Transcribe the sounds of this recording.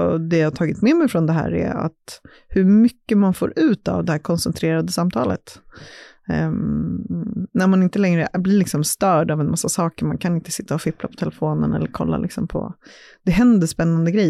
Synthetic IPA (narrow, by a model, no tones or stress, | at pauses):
d̪ɛjaːhat̪ʰɑːɡɪt̪mɛmɛjfɾɔnd̪ɛɦæ̰ːɾæ̰ɾa̰t̪ | hɵɾmʏkːəmanfo̰ːɾʔʉ̟ːt̪a̰vd̪ɛhæːɾkʰɔnsɛnt̪ʰɾeːɾad̪əsamt̪ʰɑ̰ːlə̰t̪ | næɾmanɪnt̪əlɛŋɾəblɪlɪksɔmst̪œːɖavɛnmasːasɑːkəɾmankʰanɪnt̪ə̥sɪt̪ːaɔfɪplapʰɔ̥t̪ʰɛlɛfoːnə̰nɛ̰lːəɾkʰɔ̰lːa̰lʔɪksɔmpʰɔ̰ | d̪̥ɛɦɛnd̪əʂpɛnːand̪əɡɾɛj